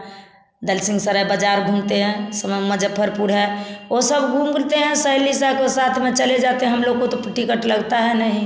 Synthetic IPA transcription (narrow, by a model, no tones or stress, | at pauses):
d̪əlsĩŋɡsəɾabəd͡ʒaɾɡʱumt̪eɦɛ̃səmeməd͡ʒʱəpʰːəɾpuɾɦɛosəbɡʱumkəlt̪eɦɛ̃səɪlisakosat̪ʰmet͡ʃəled͡ʒat̪eɦɦəmloɡkot̪opʈikəʈləɡt̪aɦɛnəɦĩ